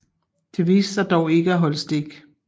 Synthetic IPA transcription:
d̥e̝ʋḭːssɑɪd̥ɒʊe̝ɡ̥əæɦɒ̽l̰əsd̥e̝ɡ̥

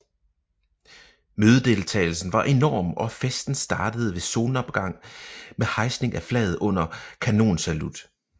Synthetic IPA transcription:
møːð̞ˠəd̥e̝lt͡sʰɛ̰ːɪl̩sn̩ʋɑ̈ʔe̝nɒ̰ːmʔɒ̽fesd̥n̩sd̥ɑ̈ːd̥əð̞̩ˠəʋe̝so̝ːnɒ̽b̥ɡ̥ɑ̈ŋ̰mehɑ̈ɪsne̝ŋæflɛ̰ːð̩ˠɔ̽n̰ɐkʰæno̝̰ːnsælud̥

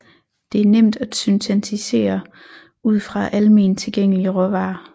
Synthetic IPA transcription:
d̥e̝æɐnem̰d̥æ̥symt͡sʰænt͡sʰise̝̰ːɐ | uð̞̰ˠfʁɑ̈ʔæləmiːnt͡sʰe̝lɡ̥eŋ̰əliəʁɔʋɑ̈ː

